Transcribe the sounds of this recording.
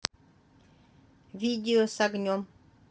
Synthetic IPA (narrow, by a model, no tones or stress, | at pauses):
vʲid̪ʲeosaɡnʲom